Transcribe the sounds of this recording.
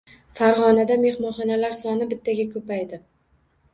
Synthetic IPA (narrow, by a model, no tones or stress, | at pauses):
faɾʁɒnad̪ame̞hmɒχɒnalaɾsɒnɪbɪt̪ʰːaɡʲakʰɵpajd̪ɪ